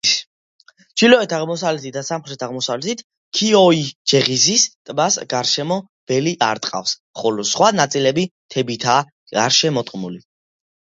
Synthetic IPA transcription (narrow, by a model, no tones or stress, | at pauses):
d͡ʒ̥ilɔɛt̪ʰaʁmɔsavlɛt̪ʰit̪̚d̪asamχɾɛt̪ʰaʁmɔsavlɛt̪ʰit̪ʰ | kʰiɔid͡ʒɛʁizist̪ʼmasɡaɾʃɛmɔ | b̥ɛliʔa̰ɾt̪ʼqʼa̰fs | χɔlɔsχwanat̪sʼilɛbit̪ʰɛbit̪ʰa | a̰ɾʃɛmɔt̪ʼqʼmuli